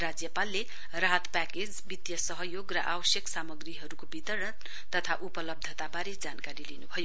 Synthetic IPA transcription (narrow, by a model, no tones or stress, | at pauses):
rad͡zjʌpalːe | raɦʌt̪paked͡zbit̪jʌsʌɦʌjoɡrʌ̰ʔabʌsjʌksamʌɡriɦʌɾukobit̪ʌɾɽʌn | t̪ʌt̪ʰaʔupʌlʌb̚d̪ʱʌt̪abaɾed͡zankaɾilinubʱʌjo